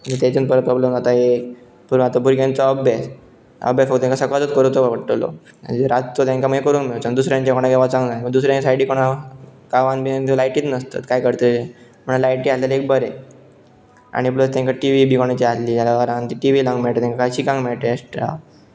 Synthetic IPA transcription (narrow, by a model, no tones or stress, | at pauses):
məd͡zət̪et͡sənpəɾət̪̚pɾɔbləmd͡zat̪aek | puɾat̪abuɾɡjãnt͡səəbes | ə̰bjafəkt̪ɔt̪jãkasəkat͡sət̪kəɾut̪oʋʋəʈːəlo̰ | ə̰d͡ʑeɾat͡st̪ot̪jãŋkaməekəɾuːnmiɭt͡ɕad̪usɾjãɲt͡ɕakoɽ̃aɡeʋat͡sãŋɡnaməɡd̪usɾjãɲasajɽiːkoɽ̃akaʋãnbʱinənt̪lajʈiːt̪nəst̪a̰t̪kajkəɾt̪əe | m̤əɳ̃lajʈiːalalek̚bəɾe | a̰ɽ̃ipləst̪ãŋkaʈiʋibʱiːkoɽ̃at͡ɕiat̪liːd͡ʑjalakaɾãnt̪iʈiʋilaŋɡmeɭʈ̪et̪jãŋkakaɕikãŋɡmeɭʈesʈa̰